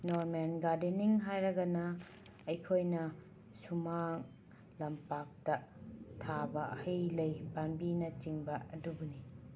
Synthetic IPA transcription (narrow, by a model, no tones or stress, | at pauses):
noɾmenɡaɾdeniŋɦajɾɐɡɐnɐː | jkʰojnɐ | sumaŋ | lɐmpak̚tɐtʰabɐɐhɐjlɐjbanbinɐt͡ʃiŋbɐɐdubuni